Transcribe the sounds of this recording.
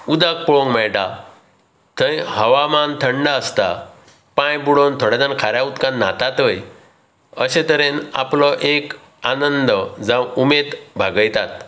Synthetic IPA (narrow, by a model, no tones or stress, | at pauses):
ud̪ak̚pɔɭõŋɡmɛɭʈa | t̪ʰəjhəʋamant̪ʰəɳɖaəst̪a | pãjbuɽont̪ʰoɽad̪ankʰaɾjaut̪kãnːat̪at̪əj | əɕẽt̪əɾena̰plɔʔek | anənd̪d͡zãwumet̪bʱaɡəjt̪at̪